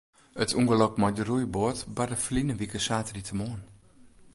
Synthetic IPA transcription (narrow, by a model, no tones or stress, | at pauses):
ətʰuŋɡəlɔkmɔdərujboətbadəflinəʋikəsaːtritʰəmoən